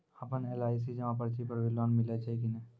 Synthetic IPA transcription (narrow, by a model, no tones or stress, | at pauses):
əpəneːlaːɪs̬id͡ʒɐmãpəɾt͡ʃʰipəɾʋɪlanmɪlet͡ʃʰakinɛ